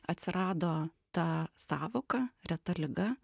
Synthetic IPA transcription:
ɐt̪ʲsʲɪɾʔɑːd̪oːt̪ɐsɑːʋoːkɐɾʲɛt̪ɐlʲɪɡɐ

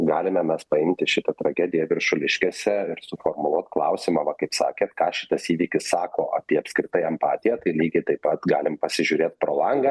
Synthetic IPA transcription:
ɡɑːlʲɪmʲɛmʲɛspɐɪmʲt̪ʲɪʃʲɪt̪ɐt̪ɾɐɡʲæːd̪ʲɪjɛʋʲɪrʃʊlʲɪʃʲkʲeːsʲɛɪɾsʊfoːrmʊlˠuɔt̪klˠɐʊsʲɪmɑːʋɐkɐɪpsɑ̰ːkʲeːt̪kɑːʃʲɪ̥t̪ɐsiːʋʲiːkʲɪsːɑːkoːʔɑpʲiɛɐpskɾʲɪt̪ɐɪɛmpɑːt̪ʲɪjɛt̪ɐɪlʲiːɡʲɛɪt̪ɐɪpɐt̪ɡɑːlʲɪmpɐsʲɪʒʲʊɾʲeːt̪pɾoːlˠɐŋɡɐ

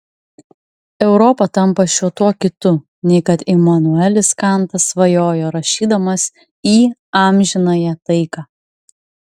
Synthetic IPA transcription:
ɛʊɾɔpɐt̪ɐmpɐʃʲuɔt̪uɔkʲɪt̪ʊ | nʲɛɪkɐt̪imɐnʊælʲɪskɑˑnˑt̪ɐsʋɐjoːjoːɾɐʃʲiːd̪ɐmɐs | iːɑːmʲʒʲɪnɐjɛt̪ɐɪkɑː

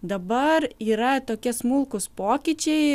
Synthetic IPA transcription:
d̪ɐbɐɾiːɾɐt̪oːkʲɛsmʊlˠkʊspoːkʲit͡ʃʲɛɪ

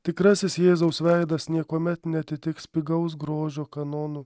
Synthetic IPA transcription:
t̪ʲɪkɾɐsʲɪsjeːzɐʊsʋʲæɪd̪ɐsnʲiɛkoːmʲɛt̪nʲɛɐt̪ʲɪt̪ʲɪkspʲɪɡɐʊs̬ɡɾoːʒʲoːkɐnɔːnʊː

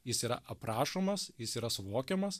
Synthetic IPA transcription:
jɪsiːɾɐ̰ʔɐpɾɑːʃoːmɐsjɪsiːɾɐsʊʋoːkʲɛmɐs

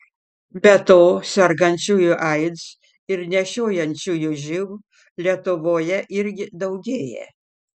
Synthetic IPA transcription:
bʲɛt̪oːsʲɛɾɡɐnʲt͡ʃʲuːjuʔɐɪd̪s | ɪɾnʲɛʃʲoːjɛnʲt͡ʃʲuːjuʒʲɪʋ | lʲiɛt̪ʊʋoːjɛʔɪɾʲɡʲɪd̪ɐʊɡʲeːjɛ̰

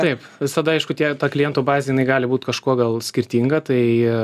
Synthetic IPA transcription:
t̪ɐɪpʋʲɪsɐd̪ɐɐɪʃkʊt̪ʲiɛt̪ɑːklʲɪjɛnt̪oːbɑːzʲɛjɪnɐɪɡɑːlʲɪbuːt̪ʲkɐʃkuɔɡɐlˠsʲkʲɪɾʲt̪ʲiŋɡɐt̪ɐɪ

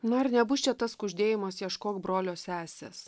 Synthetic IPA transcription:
nʊɐɾnʲɛbʊst͡ʃʲɛt̪ɐskʊʒʲd̪ʲeːjɪmɐsjɛʃkoːkbɾoːlʲoːsʲæːsʲḛːs

